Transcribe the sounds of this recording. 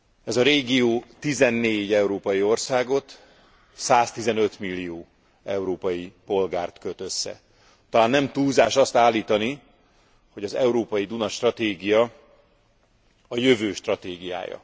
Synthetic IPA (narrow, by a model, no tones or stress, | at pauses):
ɛzɒɾeːɡioːt̪izɛnːeːɟɛuɾoːpɒjio̞rsaːɡo̞t̪ | saːst̪izɛnø̞t̪milːijoː | ɛuɾoːpɒjipo̞lɡaːrt̪køt̪øsːɛ̰ | t̪ɒlaːnːɛmt̪uːzaːʃɒst̪aːlːiːt̪ɒni | ho̞ɟɒzɛuɾoːpɒjid̪unɒʃt̪rɒt̪eːɡijɒ | ɒjøvøːʃt̪rɒt̪eːɡija̰ːjɒ̰